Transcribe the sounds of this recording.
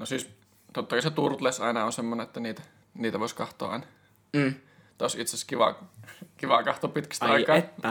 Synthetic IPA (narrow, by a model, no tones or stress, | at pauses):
nosiːˑs | t̪ot̪ːɑkɑset̪urt̪lesɑˑinɑonsemːoneet̪ːæniːt̪æ | niːt̪æʋoˑiskɑht̪ˑo̰ːʔɑ̰ˑinɑ | t̪ɑosit̪sæskiʋɑ̰ˑkiʋɑ̰kɑht̪oːpit̪kæ̥st̪ˑikɑː